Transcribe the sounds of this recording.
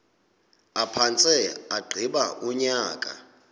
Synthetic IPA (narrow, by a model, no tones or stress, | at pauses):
apʰant͡sʼɛaɡ͡ǃʱiɓaʔuɲaːkʼa̰